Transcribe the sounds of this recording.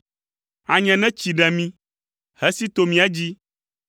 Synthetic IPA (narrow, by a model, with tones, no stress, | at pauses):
a˨ɲɛ̃˨nɛ̃˦t͡ɕi˨ɖɛ˨mĩ˦ | hɛ˦si˦t̪o˦mĩ˦ɛ˦d͡ʑi˦